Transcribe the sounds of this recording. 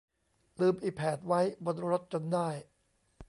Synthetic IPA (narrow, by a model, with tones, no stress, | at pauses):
lɯː˧mʔiː˨˩k̚pʰɛː˨˩t̪̚wa˦˥jbo˧nɾo˦˥t̪̚t͡ɕo˧ndaː˥˩j